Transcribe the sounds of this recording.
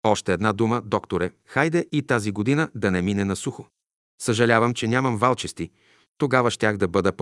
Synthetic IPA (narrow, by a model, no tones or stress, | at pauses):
ɔʃt̪ɛːd̪nad̪uməd̪ɔkt̪oɾɛxajd̪ɛʔit̪aziɡod̪inəd̪ɐnɛminɛnɐsuxo | səʒɐlʲavəmt͡ʃɛnʲamɐmvalˠt͡ʃɛst̪i | t̪oɡavɐʃt̪ʲaxd̪ɐbɤd̪ɐp